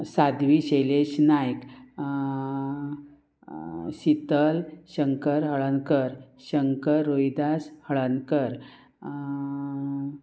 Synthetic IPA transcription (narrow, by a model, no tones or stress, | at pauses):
sad̪ʋiɕeleɕnajk | ɕit̪əlɕəŋkəɾɦəɭankəɾ | ɕəŋkəɾːojd̪ashəɭankəɾ